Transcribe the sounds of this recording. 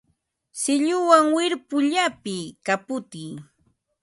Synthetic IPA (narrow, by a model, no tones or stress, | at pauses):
sɪʎʊwaŋwɪɾpʊʎapɪkapʊt̪iː